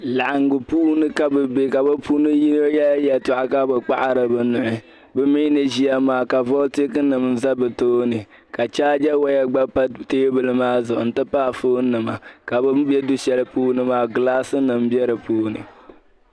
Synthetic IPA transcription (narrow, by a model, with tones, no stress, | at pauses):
la˨ʔa˨ŋ˦ɡʊ˨puː˦nɨ˦ka˦bɨ˨be˨ka˨bɨ˦pu˦nɨ˦ji˦n˦o˦jɛ˦la˦jɛ˨tʊ˨ʔa˨ka˦bɨ˨k͡pa˦ʔa˦ɾɨ˨bɨ˨nʊ˨ʔɪ˨ | bɛ˦mi˦nɨ˨ʒi˦a˦maː˨ka˨vɔ˦ti˦kɨ˦nɨ˨mn̩˦za˦bɨ˨toː˦nɨ˨ | ka˨t͡ʃaː˦d͡ʒɛ˦wa˦ja˦ɡ͡ba˦pa˦teː˦bɨ˦lɨ˦maː˦zʊ˨ʔʊ˨n̩˨tɨ˦paː˦˨foː˦n˦nːɨ˨ma˨ka˨bɨ˦bɛ˦du˦ʃɛ˦lɨ˦puː˦nɨ˦maː˦ɡlaː˦sɨ˦nɨ˨m˦bɛ˦ɾɨ˨puː˦nɨ̰˨